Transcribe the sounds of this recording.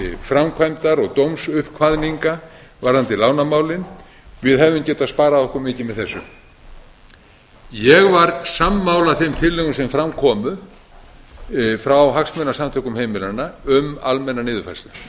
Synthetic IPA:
fɾamkʰvajmt̪aɾɔɣt̪owmsʏhkʰvaðniŋkavaɾ̥hant̪ɪlaːwnamaːwlɪn | vɪðɦɛvðʏmcɛːt̪aðspaːɾaðɔhkʏmɪːcɪmɛðθɛsːʏ | jɛɣvaɾsamːaːwlaθejmt̪ʰɪlːɛɣʏsɛmfɾamkʰɔːmʏ | fɾawɦaksmɛnasamt̪ʰœːkʏmhejmɪlanaʏma̰lmɛnːanɪːðʏfajsla

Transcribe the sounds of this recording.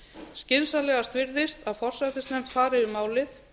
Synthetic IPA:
scɪnsalɛːɣast̪ʰvɪɾðɪst̪aðfɔr̥sat̪ɪsnɛm̥t̪faːɾɪʏmaːwlɪθ

